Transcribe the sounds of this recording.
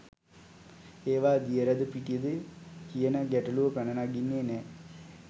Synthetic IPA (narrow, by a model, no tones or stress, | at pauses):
eːʋaːd̪ijəɾæd̪əpiʈijəd̪ɨkijənəɡæʈɐluʋəpænənaɡinːeːnɛ